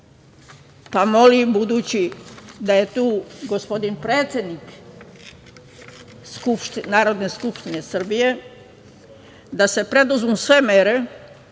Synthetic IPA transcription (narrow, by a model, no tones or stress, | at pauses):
pamo̞libud̪uːt͡ɕid̪aje̞t̪uːɡospo̞d̪inpɾe̞ːt̪sʲjed̪nik | skupʃt̪inaːɾo̞d̪ne̞skupʃt̪ine̞sr̩bije̞ | d̪ase̞pɾe̞d̪uzmusʋe̞meɾe̞